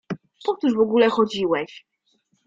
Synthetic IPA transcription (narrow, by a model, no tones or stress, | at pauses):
pɔt̪uʐvɔɡulɛxɔd͡ʑiwɛɕ